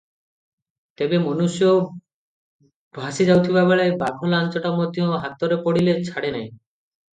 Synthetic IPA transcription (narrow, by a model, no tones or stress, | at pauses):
t̪ebemonuʃjo | bʱaʃid͡ʑawt̪ʰibabeɭajbakʰolant͡ɕoʈamod̪ʱioɦat̪ːoɾepoɽilet͡ɕʰaɽenaj